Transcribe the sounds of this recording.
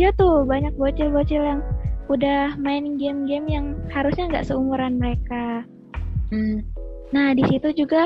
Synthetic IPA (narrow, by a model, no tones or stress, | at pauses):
jat̪ubaɲak̚bot͡ʃɪlbot͡ʃɪljaŋudahmaɪnŋɡɛmɡɛmjaŋhaɾusɲaŋɡa̰ʔsəumuɾanməɾeka | nahdisit̪ud͡ʒuɡa